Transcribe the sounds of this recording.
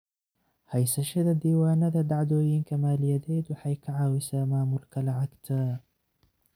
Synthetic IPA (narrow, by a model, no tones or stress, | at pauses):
hajsaʃad̪ad̪iːwaːnad̪ad̪aʕd̪oːjinkamaːljad̪aːt̪wħajkaʕawɪsaːmaːmʊlkalaʕakt̪ʰaː